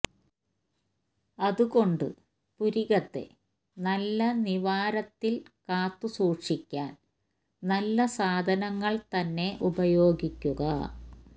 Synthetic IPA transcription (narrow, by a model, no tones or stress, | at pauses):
ɐðuɣo̞ɳɖɨ | puɾiɣɐt̪ːe̞̰ | nɐlːɐniʋaːɾɐt̪ːilkaːt̪ːusuːʂikʲːaːn | nɐlːɐsaːd̪ʱɐnɐŋːɐɭt̪ɐnːe̞ʔubɐjo̞ːɡikʲːuɣɐ